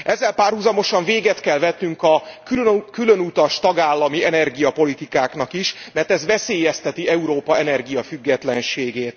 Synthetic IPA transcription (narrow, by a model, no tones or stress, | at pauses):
ʔɛzːɛlpaːrhuzɒmo̞ʃɒɱveːɡɛt̪kɛlvɛt̪ːyŋkɒkkylønut̪ɒʃt̪ɒɡaːlːɒmiɛnɛrɡijɒpo̞lit̪ikaːkn̪ɒkiʃmɛrt̪ɛzvɛseːjɛst̪ɛt̪iɛuɾoːpɒɛnɛrɡijɒfyɡːɛt̪lɛnʃeːɡeːt̪